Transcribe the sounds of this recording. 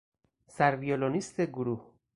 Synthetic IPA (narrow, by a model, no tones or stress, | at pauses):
sæɾvijolonist̪ʰeɡuɾuh